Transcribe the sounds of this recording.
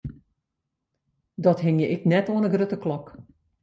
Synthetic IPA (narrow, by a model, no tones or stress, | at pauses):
dɔtɦɪŋjəʔɪknɛtoənəɡrøtəklɔk